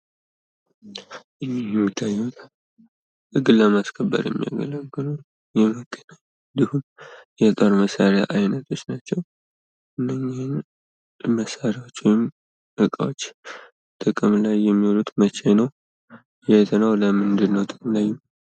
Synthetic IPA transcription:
ʔɨjjɛmːit̪ʰːajːot̪ | ʔɨɡɨləmaskʰəbːə̰ɾjɛ̰mːija̰ɡə̰ləɡɨlu | jɛməɡʼəna | d̪ihumjɛt̪ʼoɾməsaɾea̰ʔajnət̪ʰo̞t͡ʃːnat͡ʃːɛw | ʔɨnːəɲːin | məsaɾawot͡ʃːwjɪm | ʔɨkʼa̰wot͡ʃː | t̪ʼɨkʼɨmlajːɛmːiwolut̪mət͡ʃːɛnəw | jɛt̪ʰənawləmɨnd̪ɨnːəwt̪ʼɨkʼmlajːu

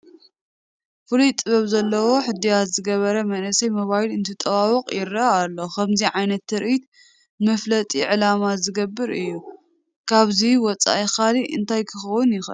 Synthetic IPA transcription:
fɨlujt̪ʼɨβɐβzɐlːɐwo̞ħɨd̪ijat̪zɨɡɐβɐɾɐmɐnɐsɐjmɐβajlɨnt̪ʰɨt̪ʼɐβawɔqʼjɪɾːɐalːo̞xʰɐmziʕajnɐt̪ːɨɾʔit̪̚ | mɐflɐt̪ʼiʕɨlamazɨɡɐbːɨɾɨjːu | kʰaβziwɔt͡sʼa̰ʔixaliʔɨ̰nt̪ʰajkʰɨxɐwʊnjɪxʔɨ̰

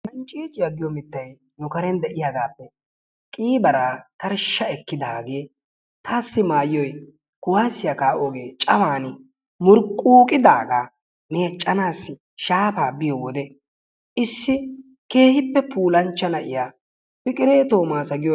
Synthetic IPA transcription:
mɛnt͡ʃʼiːt͡ʃʼɪjɐɡɪjɔmɪt̪ːɐj | nʊkɐɾɛnd̪ɛʔɪjaɡaːpːɛ | kʼiːbɐɾaːt̪ɐɾʃːɐɛkːɪd̪aːɡe̞ː | t̪ʰaːsːɪmaːjːɔj | kʊwaːsːɪjɐkaːʔoɡeːt͡ʃʼɐwaːnɪ | mʊɾkʼːuːkʼɪd̪aːɡaː | me̞ːt͡ʃʼːɐnaːsːɪ | ʃaːpaːbɪjowɔd̪ɛ | ʔɪsːɪ | ke̞ːhɪpːɛpʰuːlɐnt͡ʃːɐnɐʔɪjaː | fɪkʼɪɾeːt̪oːmaːsɐɡɪjɔ

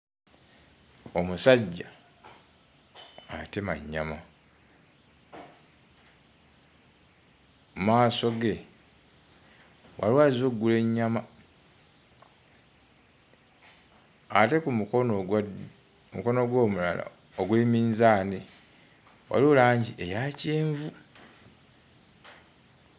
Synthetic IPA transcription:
omusaɟːa | atemaɲːama | umaːso̞ɡe | wa̰lwazoɡːule̞ɲːama | ate̞kumuon | umuko̞no̞ɡwoːmula̰la̰ | oɡwemiːnzaːne | wa̰luːlaːɲɟiʔejaceːɱvu

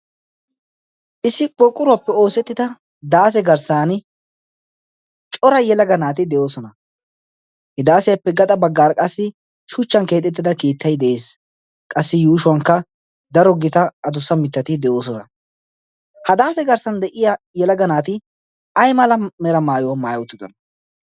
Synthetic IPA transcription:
ʔɪsːɪpʼɔkʼːʊɾʊwɐpːɛo̞ːsɛt̪ːɪd̪ɐ | d̪aːsɛɡɐɾsaːnɪ | t͡ʃʼɔɾɐjɛlɐɡɐnaːt̪ɪd̪ɛjo̞ːsɔnɐ | hɪd̪aːsɛjɐpːɛɡɐt̪ʼɐbɐɡːaːɾkʼɐsːɪ | ʃʊt͡ʃːɐnke̞ːt̪ʼːɛt̪ːɪd̪ɐkiːt̪ːɐjd̪ɛʔeːs | kʼɐsːɪjuːʃʊwɐŋkːɐ | d̪ɐɾɔɡɪt̪ɐɐd̪ʊsːɐmɪt̪ːɐt̪ɪd̪ɛjo̞ːs̬ɔnɐ | hɐd̪aːsɛɡɐɾsɐnd̪ɛʔɪja | jɛlɐɡɐnaːt̪ɪ | ɐjmɐlɐmɛɾɐmaːjʊwɐmaːjɐwʊt̪ːɪd̪ɔnɐ

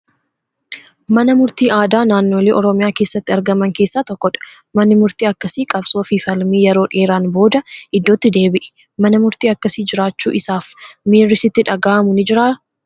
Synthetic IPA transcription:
mɐnɐmʊɾt̪iːʔaːd̪aːnaːnːo̞ːleːʔɔɾɔmɪjaːke̞ːsːɐt̪ːɪɐɾɡɐmɐŋke̞ːsːaːt̪ɔkːɔᶑɐ̥mɐnːɪmʊɾt̪iːɐkːɐsikʼɐbsoːfifɐlmiːjɛɾo̞ːᶑeːɾaːnbo̞ːd̪ɐɪd̪ːoːt̪ːɪd̪eːbɪʔɛ̥ | mɐnɐmʊɾt̪iːɐkːɐsiːd͡ʒɪɾaːt͡ʃːṵːʔɪsaːfmeːrːɪsɪt̪ːɪᶑɐɡaːʔɐmʊnɪd͡ʒɪɾaː

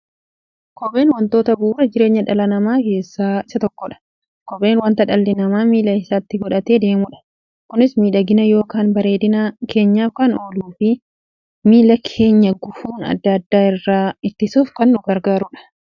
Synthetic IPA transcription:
kɔbe̞ːnwɔnt̪o̞ːt̪ɐbuːɾɐd͡ʒɪɾe̞ːɲːɐᶑɐlɐnɐmaːke̞ːsːaːɪsɐt̪ɔkːɔᶑɐ̥ | kɔbe̞ːnwɐnt̪ɐᶑɐlːɪnɐmaːmiːlɐɪsaːt̪ːɪɡɔᶑɐt̪e̞ːd̪e̞ːmʊᶑɐ̥ | kʊnɪsmiːᶑɐɡɪnɐjo̞ːkaːnbɐɾeːd̪ɪnɐke̞ːɲːaːfkaːnoːluːfɪ | miːlɐkʰe̞ːɲːɐɡʊfuːnɐ̰d̪ːɐɐd̪ːaːɪrːaːɪt̪ːɪsuːfkɐnːʊɡɐɾɡaːɾʊᶑɐ̥

